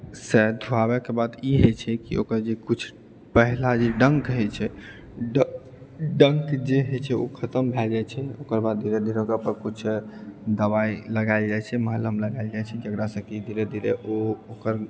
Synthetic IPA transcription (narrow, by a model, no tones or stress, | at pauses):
sɛd̪ʱuabɛkebad̪iɦɛt͡ʃʰɛkḭo̰kəɾd͡ʒekut͡ʃʰ | pəɦlad͡ʒeɖəŋkɦɛt͡ʃʰɛ | ɖ | ɖəŋkd͡ʒeɦet͡ʃʰɛo̰kʰət̪əmbʱɛld͡ʒajt͡ʃʰɛokəɾbad̪̚d̪ʱiɾed̪ʱiɾeokəpəɾkut͡ʃʰd̪əbailəɡaɪld͡ʒajt͡ʃʰɛməɦələmləɡaɪld͡ʒajt͡ʃʰɛkiəkɾasəbkid̪ʱiɾed̪ʱiɾeʔookəɾ